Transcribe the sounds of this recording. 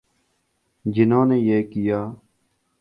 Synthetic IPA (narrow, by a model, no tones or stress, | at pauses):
d͡ʒɪnãːneːjeːkɪjaː